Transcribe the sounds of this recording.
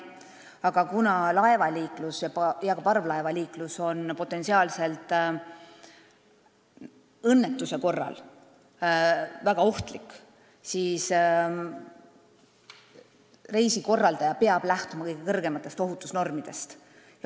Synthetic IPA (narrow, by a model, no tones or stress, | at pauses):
ɑɡ̥ɑkunɑlɑe̞vɑliːklusjɑpjɑkɑpɑrvlɑevɑliːkluso̞npo̞t̪ːˑe̞nsiɑːlse̞lt̪ˑ | ɤnːet̪ːˑuse̞ko̞rːɑ̰l | væɡ̥ɑo̞ht̪likːˑ | siːs | re̞jsiko̞rːɑld̪ɑjɑpeɑb̥læht̪umɑkɤjɡ̥ekɤrɡe̞mɑt̪ːˑe̞st̪o̞ɦut̪ːˑusno̞rmid̪̥e̞st̪ | jɑ